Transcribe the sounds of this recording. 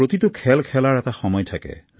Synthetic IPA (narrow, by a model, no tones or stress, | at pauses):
ɹot̪itukʰɛlkʰɛlaɹɛtaxɔmɔjtʰakɛ̰